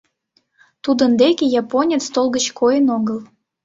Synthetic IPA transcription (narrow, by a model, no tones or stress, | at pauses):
t̪ud̪ə̆nd̪ekʲejɑponʲet͡st̪olˠɡət͡ɕkʰojənoɡəl